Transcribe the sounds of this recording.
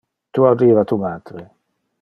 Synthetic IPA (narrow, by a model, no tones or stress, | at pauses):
t̪uːariːvat̪ʰumaːd̪̥ɾe